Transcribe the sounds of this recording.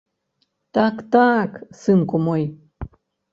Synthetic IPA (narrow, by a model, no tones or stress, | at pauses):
t̪akt̪aksɨmkomoj